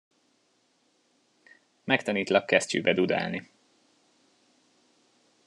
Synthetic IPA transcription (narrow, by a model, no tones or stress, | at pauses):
mɛkt̪ɒniːt̪lɒkːɛscy̰ːbɛd̪ud̪a̰ːlni